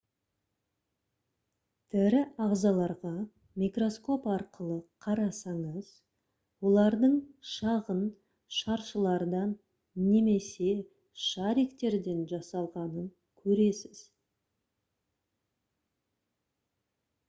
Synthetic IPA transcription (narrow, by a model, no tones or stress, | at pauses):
t̪ʰɪɾɪɑʁzɑlˠɑɾʁɑ | mʲikro̞sko̞pɑɾqəlˠəqʰɑɾɑsɑɴəz̥ | wo̞lˠɑɾd̪əɴʃɑʁən | ʃɑɾʃəlˠɑɾd̪ɑnː | e̞me̞se̞ | ʃɑɾikt̪e̞ɾd̪e̞nʒɑsɑlˠʁɑnəŋ | kʲʰɵɾe̞sɪz̥